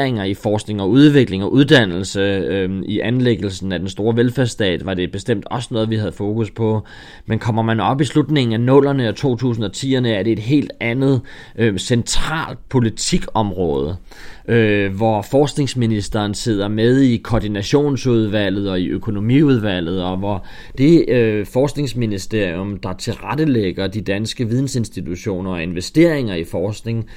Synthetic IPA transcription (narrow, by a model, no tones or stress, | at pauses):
eŋɐifɒːsɡ̥ne̝ŋɒ̽uð̞ˠʋe̝ɡ̥le̝ŋɒ̽ʔuð̞ˠd̥æn̰l̩səiʔænleɡ̥l̩sn̩æd̥ensd̥o̝ːɐʋelfæɐsd̥ɛ̰ːd̥ʋɑ̈d̥e̝b̥e̝sd̥em̰d̥ɒ̽sənɔ̽ːð̞ˠʋihæð̞̩ˠfo̝ːkuspʰɒ̽ | menkʰɒ̽m̰ɐmænɒ̽b̥islud̥ne̝ŋn̩ænɔ̽l̰ɐnəæt͡sʰo̝̰ːt͡sʰṵːs̬n̩ɒ̽t͡sʰḭːɐnəæɐɾ̥e̝e̝d̥ɦe̝̰ːld̥ænð̞̩ˠ | sent͡sʰʁɑ̰̈ːld̥̚pʰo̝lit͡sʰiɡ̥ɒ̽mʁɔ̽ːð̞ˠə | øʋɒfɒːsɡ̥ne̝ŋsminisd̥ɐːnse̝ð̞̰ˠɐmeð̞ˠikʰɒːd̥inæɕo̝̰ːnsuð̞ˠʋæl̰ð̞̩ˠɒ̽iʔøkʰo̝no̝mḭːuð̞ˠʋæl̰ð̞̩ˠɒ̽ʋɒ | d̥e̝fɒːsɡ̥ne̝ŋsminisd̥e̝ɐ̰ijɔmd̥ɑ̈t͡sʰe̝lʁadəleɡ̥ɐd̥id̥ænsɡ̥əʋið̞ˠn̩se̝nsd̥it͡sʰuɕo̝̰ːnɐɒ̽e̝nʋesd̥e̝ɐ̰eŋɐifɒːsɡ̥ne̝ŋ